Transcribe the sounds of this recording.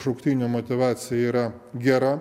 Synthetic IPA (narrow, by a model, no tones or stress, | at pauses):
ʃʊkt̪ʲiːnʲoːmot̪ʲɪʋɑːt̪sʲɪjɛiːɾɐ | ɡʲæɾɐ